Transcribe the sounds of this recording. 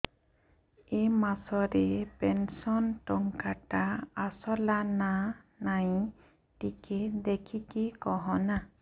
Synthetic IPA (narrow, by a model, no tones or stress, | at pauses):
emasɔɾepensɔnʈɔŋkaʈaːsɔlana | naj | ʈiked̪ekʰikikɔɦɔna